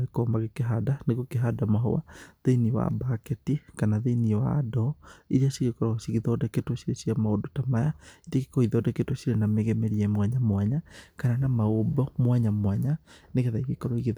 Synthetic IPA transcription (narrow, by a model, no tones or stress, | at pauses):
ɣekɔmaɣekeɦadaneɣokeɦadamaɦɔ̰wa̰ðeiniwa̰bakɛtikanaðeniwa̰dɔiɾiaɕiɣekɔɾɔsiɣiðɔdɛketoʃiɾesiamaodotamajaiɾakekoiðɔdɛketoʃiɾenameɣɛmɛɾiɛmwaɲamwaɲakananamaobɔmwaɲamwaɲaneɣeðaiɣekɔɾɔiɣe